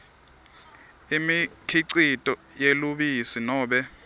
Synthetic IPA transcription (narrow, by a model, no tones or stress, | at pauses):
imikʰiǀitʼɔ | jeluɓisinɔːɓɛ